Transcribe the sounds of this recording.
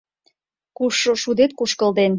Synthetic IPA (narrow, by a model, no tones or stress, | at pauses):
kuʃoʃud̪et̪̚kuʃkə̆ld̪en